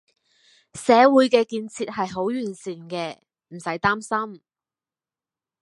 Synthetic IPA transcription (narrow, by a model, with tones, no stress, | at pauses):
sɛː˨˥wuː˨˥jkɛː˧kiː˧nt͡sʰiː˧t̚hɐ˨jɦo˨˥wjyː˨˩nsiː˨˩nkɛː˧ | m̩˨˩sɐ˨˥jt̪aː˥msɐ˥m